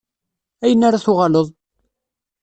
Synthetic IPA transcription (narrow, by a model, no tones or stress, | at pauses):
æjənːaɾaθʊʁɑləðˤ